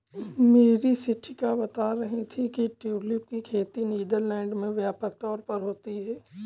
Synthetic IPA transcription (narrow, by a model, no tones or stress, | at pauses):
meːɾisɪʈʰɪkabɐt̪aɾɐɦit̪ʰikiʈilip̚kikʰeːt̪iniːd̪əɾlɛ̃ːɳɖmẽʋjaːpəkt̪ɔːɾpəɾɦoːt̪iɦɛː